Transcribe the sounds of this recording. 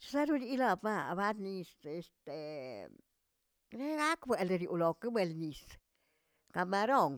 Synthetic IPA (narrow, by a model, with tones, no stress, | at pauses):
t͡ʃa˦ɾu˦li˦la˧bma˧˨ba˦t̪ni˧se˧st̪e˨ | ɾe˦ɡa˦kbʷwe˨˧le˧ɾjṵ˨lo˨ke˦be˧lni˨s | ka˧ma˧ɾo˦˨ŋ